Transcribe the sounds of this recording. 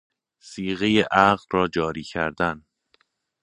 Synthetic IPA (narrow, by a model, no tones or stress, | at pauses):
siːɣejeʔæɣlrɒːd͡ʒɒːɾiːcʰæɾd̪æn